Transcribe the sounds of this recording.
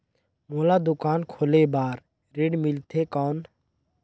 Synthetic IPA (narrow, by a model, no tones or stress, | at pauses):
moːlaːd̪ʊkaːnkʰoːleːbaːɾ | ɾɪɖmɪlt̪ʰeːkɔːn